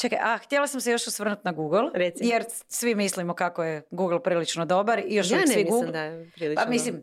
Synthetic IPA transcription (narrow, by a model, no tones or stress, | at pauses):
t͡ʃekajʔaxt̪jelˠasamsejo̞ʃusʋr̩nut̪naɡuɡllˠɾesijeɾ | sʋimislimo̞kakojeɡuɡl̩ˠpɾiːlit͡ʃnod̪o̞baɾijoʃasʋimiɡuːɡid̪apɾiːlipaamislim